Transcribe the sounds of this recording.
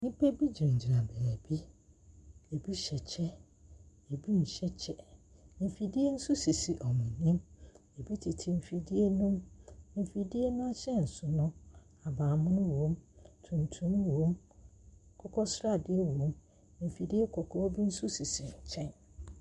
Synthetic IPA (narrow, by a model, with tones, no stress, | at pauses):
nĩ˦pʰe˦bi˦d͡ʑi˨ɲ̩˨d͡ʑi˨ɾa˨bæ˨bi˦ | e˨bi˦ɕɛ˨t͡ɕʰɛ˦ | e˨bi˦n̩˨ɕɛ˦t͡ɕʰɛ˨m̩˨fi˨di˦e˦n̩˦sʊ˦si˨si˨ʔɔ˨mʊ̃˨nĩ˦me˨bi˦tʰɪ˨tʰɪ˨m̩˨fi˨di˦e˦nʊ̃˦mm̩˨fi˨di˦e˦nʊ̃˦a˦ɕɛ˦n̩˨sʊ˨nʊ̃˦ | a˨baː˨mʊ̃˦nʊ̃˦wõ˦mtʰũ˨n̩˨tʰũ˦m̃˦wõ˦m˨ | kʰɔ˦kʰɔ˦sɾa˦˨dɪ˦e˦wõ˦m | m̩˨fi˨di˦e˦kʰɔ˨kʰɔ˦ɔ˦bi˦n̩˦sʊ˦si˨si˨ɲ̩˨t͡ɕʰɛ̃˦n